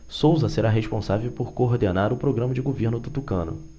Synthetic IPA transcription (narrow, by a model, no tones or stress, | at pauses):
sowzɐseɾaɦeʃpõsavewpoɾkoːɦd̪enaɾʊpɾoɡɾɐ̃mɐd͡ʒɪɡoveɾnʊd̪ut̪ukɐ̃nʊ̰